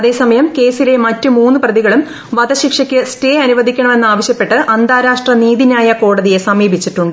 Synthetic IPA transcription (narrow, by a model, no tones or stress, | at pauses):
ɐðe̞ːsɐmɐjɐmke̞ːsile̞mɐtːɨmuːnːuprɐðiɣɐɭum | ʋɐd̪ɐɕikʂɐkʲːɨste̞ːɐnuʋɐd̪ʱikʲːɐɳɐme̞nːaːʋɐɕjɐpːe̞ʈːɨʔɐnd̪ʱaːɾaːʂʈrɐniːðinaːjɐko̞ːɽɐðije̞sɐmiːbʱit͡ɕːiʈːuɳɖɨ